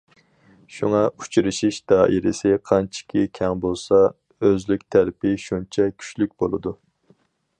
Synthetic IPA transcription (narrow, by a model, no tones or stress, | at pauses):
ʃuŋɑu̥t͡ʃʰɾɨʃiʃd̪ɑːʔiɾɪsɪqʰɑnt͡ʃʰi̥kʲʰikʲʰɛŋbolˠsɑ | øzlykʲt̪ʰælɪpʰɪʃunt͡ʃʰɛkʲʰy̥t͡ʃlykʲbolˠɨd̪u